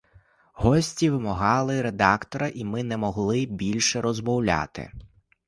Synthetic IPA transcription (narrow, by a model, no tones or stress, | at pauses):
ɦɔsʲtʲiʋɪmɔɦɑlˠɪɾed̪ɑkt̪ɔɾɐʔimɪnɛmɔɦlˠɪbʲilʲʃɛɾɔzmɔwlʲa̰t̪ɪ̰